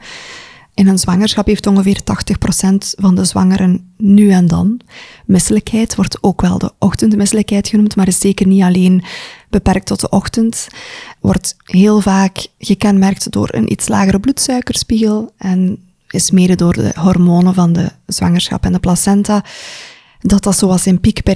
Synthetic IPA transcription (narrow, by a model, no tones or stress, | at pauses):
ɪnənzwɑŋərsxɑpɦeːftɔŋɣəveːrtɑxtəxprosɛntvɑndəzwɑ̰ŋəɾʔənːyːɛndɑ̰nmɪsələkɦɛjtʋɔrtoːkʋɛ̰lˠdə̰ʔɔxtəntmɪsələkɦɛjtxənumtmaːɾɪszeːkərniɑleːnb̥əpɛrk̚tɔtdəʔɔxtəntʋɔ̰rtɦeːlˠvaːkɣəkɛnmɛrk̚tdo̰ːɾə̰nʔḭtsla̰ːɣəɾəblutsœɥkərspiɣəəlˠʔɛn | ɪsmeːdədoːrdə̰ɦɔrmoːnəvɑndə̰z̥wɑ̰ŋərsxɑ̰pɛndəplasɛnta | dɑtdɑtsoːɑlˠsɪnpikbɛ